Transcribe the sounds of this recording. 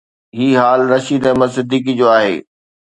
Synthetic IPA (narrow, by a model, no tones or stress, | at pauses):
ɦiːɦaːlɾɐʃid̪ɛ̃ːmɐ̃sɪd̪ʱiːk̬id͡ʑoːaːɦḛː